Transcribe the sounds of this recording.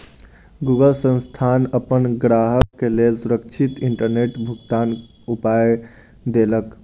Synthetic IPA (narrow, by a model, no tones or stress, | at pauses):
ɡuɡəlsə̃nst̪ʰanəpənɡɾaɦəkːelelsuɾəkt͡ʃʰit̪iɳʈəɾneʈbʱuɡt̪an | upaj | d̪elək